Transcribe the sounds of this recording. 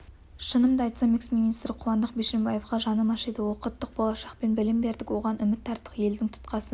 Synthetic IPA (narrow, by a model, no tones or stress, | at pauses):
ʃənəmd̪ɑjt̪sɑmiksmijnist̪ɾɪqʰʊwɑnd̪əq̚beʃembɑjefqɑʒɑnəmɑʃed̪əwoqət̪ːəq̚bo̞lˠɑʃɑqpe̞nbɪlɪmbe̞ɾd̪ɪkʲwo̞ʁɑnʏmɪt̪ʰːɑɾt̪ːə̥qje̞ld̪ɪŋt̪ʰʊ̥t̪qɑsə